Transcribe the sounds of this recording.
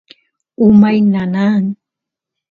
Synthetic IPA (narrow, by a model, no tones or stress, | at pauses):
umajnanaŋ